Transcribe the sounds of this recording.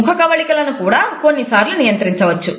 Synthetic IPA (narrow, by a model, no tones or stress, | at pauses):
ukʰɐkɐʋɐɭikɐlɐnukuːɽaːko̞nːisaːɾlunijɐnt̪ɾiɲt͡ʃɐʋɐt͡ʃːu